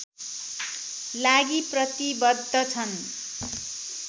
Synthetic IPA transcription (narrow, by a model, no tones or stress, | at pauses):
laɡiprʌt̪ibʌd̪ʱːʌt͡sʰʌn